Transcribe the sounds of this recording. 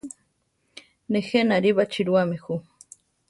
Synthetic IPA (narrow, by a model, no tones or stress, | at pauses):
nexenaɾiβat͡ʃiɾuamexu